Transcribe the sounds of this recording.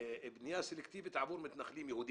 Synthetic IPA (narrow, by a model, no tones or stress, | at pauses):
ɪbnjaːsɪlɪkt̪iːbɪt̪ʕabuːɾmɪt̪naxliːmjahuːd̪